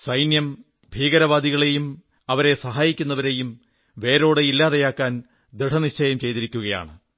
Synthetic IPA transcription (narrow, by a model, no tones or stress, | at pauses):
sɐjnjɐm | bʱiːɣɐɾɐʋaːd̪iɣɐɭe̞jum | ɐʋɐɾe̞sɐɦaːjikʲːunːɐʋɐɾe̞jum | ʋe̞ːɾo̞ːɽeilːaːðɐjaːkːaːn | d̪ɾiʈʰɐniɕt͡ɕʰːɐjɐmt͡ɕe̞jt̪iɾikʲːuɣɐja̰ːɳɨ